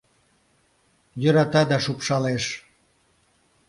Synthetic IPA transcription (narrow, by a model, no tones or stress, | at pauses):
jøɾɑt̪ɑd̪ɑʃupʃɑleʃ